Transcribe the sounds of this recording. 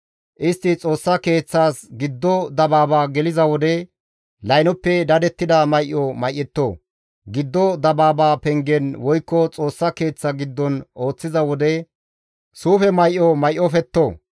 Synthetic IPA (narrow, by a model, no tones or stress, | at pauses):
ʔɪst̪ːɪt͡sʼo̞ːsːɐke̞ːt͡sːaːsɡɪd̪ːɔd̪ɐbaːbaːɡɛlɪzɐwɔd̪ɛ | lɐjnɔpːɛd̪ɐd̪ɛt̪ːɪd̪ɐmɐjʔːɔmɐjʔːɛt̪ːoː | ɡɪd̪ːɔd̪ɐbaːbaːpɛŋɡɛnwɔjkːɔt͡sʼo̞ːsːɐke̞ːt͡sːɐɡɪd̪ːɔno̞ːt͡sːɪzɐwɔd̪ɛ | suːfɛmɐjʔɔmɐjʔːɔfɛt̪ːoː